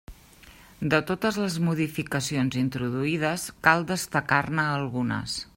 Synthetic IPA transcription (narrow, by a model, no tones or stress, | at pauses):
d̪ət̪ot̪əzləzmuðifikəsionzint̪ɾuðuið̞əskalˠd̪əst̪əkarnəːlˠɣunə̰s